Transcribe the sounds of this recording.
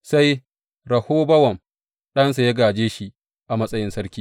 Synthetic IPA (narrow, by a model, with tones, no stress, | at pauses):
sa˦j | ɾɐ˨hoː˦bɐ˦wɐ˨m | ɗɐ˦nsa˨jɐ˦ɡaː˨d͡ʒeː˦ʃi˦ʔ | ʔa˨mɐ˦sʼɐ˦jɪ˦nsɐ˦ɾkʲiː˦